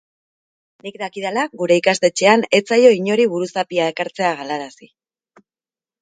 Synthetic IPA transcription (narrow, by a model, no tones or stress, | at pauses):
nikd̪akiðalaɣuɾe̞ikast̪e̞t͡ʃe̞ane̞t͡sajo̞iɲo̞ɾiβuɾusapiaekaɾt͡se̞aɣalaɾasi